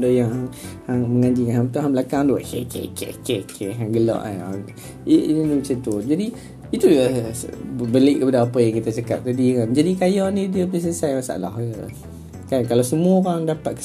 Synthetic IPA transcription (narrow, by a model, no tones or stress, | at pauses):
dajaŋaŋhaŋməŋãɲd͡ʒikanɦãmt̪aɦãŋmbəlakaŋduaʔkekʰḛkḛkekʰeɦaŋɡəlɔ̰ʔa̰a | iiiniət͡ʃət̪ud͡ʒadi | it̪u | bəlɪʔkːəpadaapəjaŋkit̪at͡ʃaka̰p̚t̪adikand͡ʒadikajɔnĩdiəpis̬əsajasa̰la̰hə | kankalasəmũaoɾaŋdapat̪̚kə̥